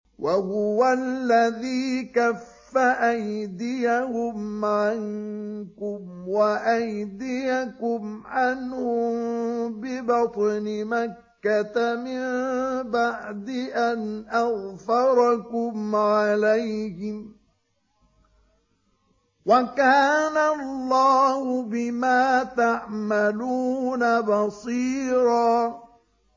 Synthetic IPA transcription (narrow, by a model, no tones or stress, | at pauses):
wʔahʊwalːaðiːkafːaʔajd̪ɪjahʊmʕaŋkʊmwaʔajd̪ɪjakʊmʕanhʊ | bɪbɑt̪ˤnɪmakːat̪amɪmbaʕd̪ɪʔanʔaɣfɑɾˤɑkʊmʕalajhɪ | wakaːnalːɑːhʊbɪmaːt̪aʕmaluːnabɑsˤiːɾɑː